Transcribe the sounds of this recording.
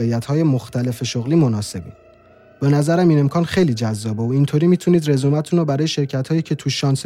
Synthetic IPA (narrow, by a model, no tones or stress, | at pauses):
ejæt̪hɒːjemoxt̪ʰæle̞feʃoɣliːmo̞nɒːse̞bi | be̞næzæɾæmiːne̞mkʰɒːnxe̞jliːd͡ʒæzːɒːbeoint̪ʰoɾiːmiːt̪ʰuniːd̪re̞zumæt̪ʰunɔbæɾɒːjeʃe̞ɾcʰæt̪ʰhɒːjiːcʰe̞t̪ʰuʃɒːns